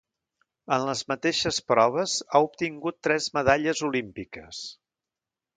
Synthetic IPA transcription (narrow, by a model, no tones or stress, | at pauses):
ənləzmət̪eʃəspɾɔβ̞əzaup̚t̪iŋɡut̪ːɾɛzməðaʎəzulimpikəs